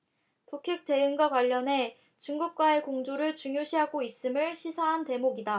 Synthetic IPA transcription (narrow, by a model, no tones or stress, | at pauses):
pukʰek̚t͈e̞ɯŋɡwakwaʎːʌne̞ | t͡ɕuŋɡuk̚k͈wae̞koŋd͡ʑoɾɯɭt͡ɕuŋjoɕʰiɦaɡois͈ɯmɯɭɕʰisʰaɦante̞moɡida